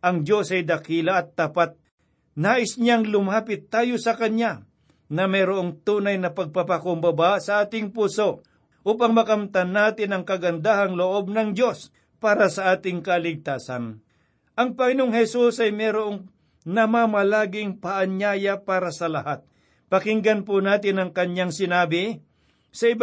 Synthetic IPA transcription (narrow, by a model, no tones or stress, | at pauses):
ʔɐŋd͡ʒo̞sɐjd̪ɐkiːlɐːt̪ːapat̪̚ | naːʔɪsɲaŋlʊmaːpɪt̪ːaːjosɐkɐɲja | nɐmɛɾoʔoŋt̪uːnɐjnɐpɐɡ̚papakʊmbɐbasɐʔaːt̪ɪŋpuso̞ | ʔuːpɐŋmɐkɐmt̪ɐnːaːt̪ɪnɐŋkɐɡɐnd̪aːhɐŋloʔo̞b̚nɐŋd͡ʒo̞s | paːɾɐsɐʔaːt̪ɪŋkɐlɪɡ̚t̪aːsɐ̰n | ʔɐŋpɐŋɪnoŋhɛsusɐjmɛɾoʔoŋ | nɐmamɐlaːɡɪŋpɐʔɐɲjaːjapaːɾɐsɐlɐhat̪̚ | pɐkɪŋɡɐnpʊnaːt̪ɪnɐŋkɐɲjaŋsɪnaːbɪ | sɐɪb